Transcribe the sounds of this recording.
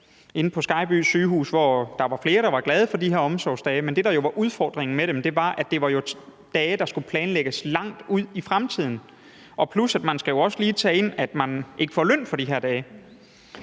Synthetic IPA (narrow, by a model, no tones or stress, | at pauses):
e̝nəpʰɒ̽sɡ̥ɑ̈ɪb̥y̰ːsyːɦṵːsʋɒd̥ɑ̈ʋɑ̈fle̝ːɐɾ̥ɑ̈ʋɑ̈ɡ̥lɛð̞ˠəfɒ̽d̥iɦeɐ̰ɒ̽msɒʊsd̥ɛːmend̥e̝ɾ̥ɑ̈jo̝ʋɑ̈ʔuð̞ˠfɒ̰ːd̥ʁeŋn̩meɾemd̥e̝ʋɑ̈ʔæd̥e̝ʋɑ̈jo̝d̥ɛːd̥ɑ̈sɡ̥upʰlɛːnleɡ̥əslɑ̈ŋ̰d̥uð̰ˠifʁamt͡sʰið̞̰ˠn̩ | ɒ̽pʰlusæd̥mænsɡ̥æjo̝ɒ̽səliːt͡sʰɛ̰ːe̝n̰æd̥mænʔe̝ɡ̥ə̥fɒløn̰fɒ̽d̥iɦeɐ̰d̥ɛːɪ